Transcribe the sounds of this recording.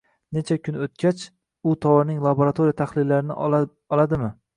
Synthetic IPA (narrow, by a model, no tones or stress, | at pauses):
ne̞t͡ʃʰakʲʰʊnot̪̚kʲat͡ʃ | ʊt̪ʰɒwɒɾnɪŋlˠaboɾat̪ʰoɾijat̪ʰaχlɪlːaɾɪnɪ̰ | ɒlˠad̪ɪmɪ